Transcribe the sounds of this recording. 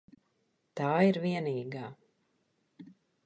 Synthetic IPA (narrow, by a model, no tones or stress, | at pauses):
t̪aːiɾviɛniːɡaː